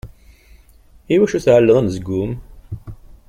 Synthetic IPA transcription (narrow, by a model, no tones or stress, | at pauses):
iwæʃuθʕəlːəðˤænzəɡːʊm